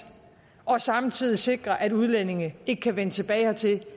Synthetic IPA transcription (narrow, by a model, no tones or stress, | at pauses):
ʔɒ̽sɑ̈mt͡sʰið̞̰ˠise̝ɡ̥ʁɐʔæd̥uð̞ˠlene̝ŋe̝ɡ̥əkʰæʋenət͡sʰe̝b̥ɛːɪhɑt͡sʰe̝l